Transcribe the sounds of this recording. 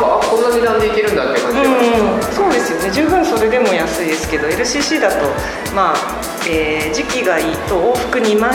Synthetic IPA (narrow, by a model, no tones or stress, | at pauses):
aakõ̞nːaɲinãnd̪e̞ike̞ɾɯ̟̃nd̪at̪ːekɯẽso̞ːd̪e̞sɨjo̞ne̞ʑɨːbɯ̟̃ɰ̃so̞ɾe̞d̪e̞mo̞jasɨid̪e̞sɨ̥ke̞d̪o̞e̞ɾɯ̟ɕiːɕiːd̪at̪o̞ | maː | eːd͡ʑikʲiɡaiːt̪o̞oːɸɯ̟̥kɯ̟ɲ̟ima